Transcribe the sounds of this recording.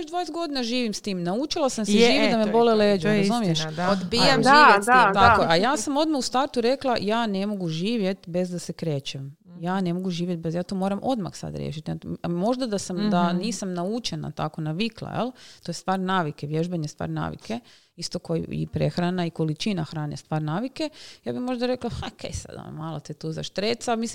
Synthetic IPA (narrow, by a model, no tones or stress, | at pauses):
od͡ʒd̪ʋaːjesɡo̞d̪inaʒiːʋimst̪iːmnaut͡ʃilˠasamseʒiːʋid̪amebo̞leleːd͡ʒuɾazumijeʃod̪biemʒiːjeat̪akoajaːsamo̞d̪maust̪aɾt̪uɾe̞klˠajaːne̞mo̞ɡuʒiːʋje̞t̪be̞zd̪asekɾeːt͡ʃem | jaːne̞mo̞ɡuʒiːʋjet̪̚bezjaːt̪oːmoːɾamʔo̞̰d̪ma̰xsa̰d̪ɾjḛʃit̪iamo̞ʒd̪ad̪asamd̪aniːsamnaut͡ʃena̰t̪a̰ko̞naʋiklˠa̰jḛlˠt̪ojest̪ʋaːɾnaːʋikeʋjeʒbeɲest̪ʋa̰ːɾna̰ːʋḭkʰe | ist̪okoj̰ḭpɾḛxɾanaikolit͡ʃinaxɾaːnest̪ʋaːɾnaːʋike̞jaːbimo̞ʒd̪aɾeklahakejsa̰d̪a̰n̰maːlˠot̪it̪uza̰ʃt̪ɾet̪samislim